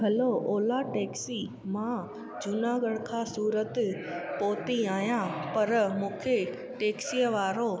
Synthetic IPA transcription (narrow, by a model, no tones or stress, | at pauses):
ɡɐlooːlaʈeːksi | mã | d͡ʑʊnaːɡəɽkʰãːsuːɾət̪poːt̪iaːɦjãpɐɾmũːkʰe | ʈeːksijəʋaːɾo